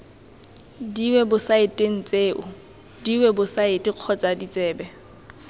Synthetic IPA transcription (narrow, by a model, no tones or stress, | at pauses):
diwɛbʊsaɪtʼeŋ̩t͡sʼeːʔʊ | diwɛbʊsaɪtʼɪq͡χʰɔt͡sʼadit͡sʼɛːbɛ